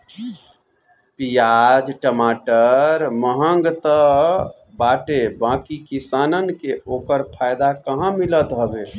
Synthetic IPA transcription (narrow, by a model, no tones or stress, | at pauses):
pijad͡ʒʈəmaʈəɾməɦəŋɡt̪ə | baʈebãkikisanənkeokəɾpʰajd̪akəɦãmilət̪ɦəbe